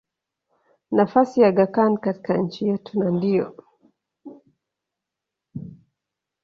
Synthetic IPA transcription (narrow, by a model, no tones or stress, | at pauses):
nafasijaɡakankati̥kaɲ̩t͡ʃijɛtunandijɔ̰